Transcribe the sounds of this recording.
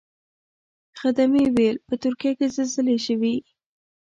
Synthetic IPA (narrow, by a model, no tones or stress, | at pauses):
xad̪amiwelpət̪ʊɾkijakezezəleʃəwi